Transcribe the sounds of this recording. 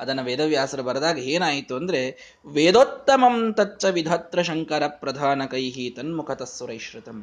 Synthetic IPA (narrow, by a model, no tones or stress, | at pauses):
ɐd̪ɐnːɐʋeːd̪ɐʋjaːsɐɾɐbɐɾɐd̪aːɡɐeːnaːjit̪uɐnd̪ɐɾe | ʋeːd̪oːt̪ːɐmɐmt̪ɐt͡ʃːt͡ʃɐʋid̪ʱɐt̪ɾɐʃɐŋkɐɾɐpɾɐd̪ʱaːnɐkɐjɦiːt̪ɐnmukʰɐt̪ɐsʋɐɾɐjʃɾɪt̪ɐm